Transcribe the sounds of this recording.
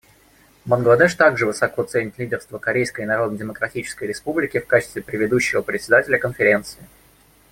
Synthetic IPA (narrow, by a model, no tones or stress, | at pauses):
mənɡlˠɐd̪ɛʂt̪aɡʐɨvɨsɐko̞t̪sɛnʲɪtʲlʲidʲɪrst̪vəkɐɾʲejskəɪnɐɾo̞d̪nədʲɪməkɾɐtʲit͡ɕɪ̥skəjɾʲɪspublʲɪkʲɪfkat͡ɕɪ̥st̪vʲɪpɾʲɪvʲɪd̪uɕːɪvəpɾʲɪtʲsʲɪd̪atʲɪlʲəkənfʲɪɾʲe̞nt̪sɨɪ